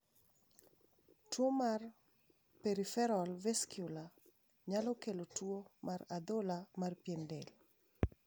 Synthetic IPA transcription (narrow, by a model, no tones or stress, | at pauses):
twomar | peɾifɛɾɔlveskjula | ɲalɔkelotwomarad̪olamarpjɛndɛl